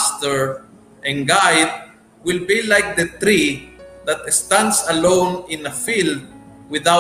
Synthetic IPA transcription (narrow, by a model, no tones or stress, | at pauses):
st̪ɛɹ | ʔɛ̃nɡajd̪̚ | wɪlbilajk̚d̪ɐt̪ɾid̪at̪̚ɛst̪ãnd̪sɐlõwnɪ̃nɐfild̪̚ | wɪðaw